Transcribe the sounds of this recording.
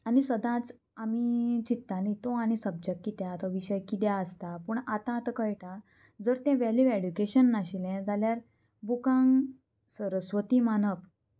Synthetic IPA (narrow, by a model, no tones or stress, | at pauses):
añisəd̪ãt͡s | amit͡ɕit̪ːãnit̪oaɽ̃isəb̚d͡ʑəkːit̪jat̪ɔʋiɕəjkit̪jaəst̪apuːɳat̪ãt̪əkəjʈa | d͡zəɾt̪ɛ̃ʋɛliʋeɖukeɕənːaɕilɛ̃d͡zaljaɾ | bukãŋɡ | səɾəsʋət̪imanəp